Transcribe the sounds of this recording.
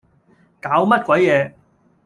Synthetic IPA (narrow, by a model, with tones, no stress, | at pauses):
kaː˨˥wmɐ˥t̚kʷɐ˨˥jjɛː˨˧